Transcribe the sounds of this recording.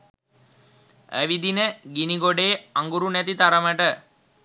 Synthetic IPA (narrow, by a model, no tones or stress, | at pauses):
ə̰ʋid̪inəɡiniɡoɖeːaŋɡuɾunɛt̪it̪aɾəməʈə